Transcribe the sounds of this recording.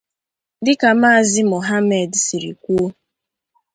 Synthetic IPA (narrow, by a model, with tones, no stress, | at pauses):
dɪ˦ka˨ma˦a˨zɪ˦mo˨ɦa˦me˨dsi˨ɾḭ˨kʷu˦o˦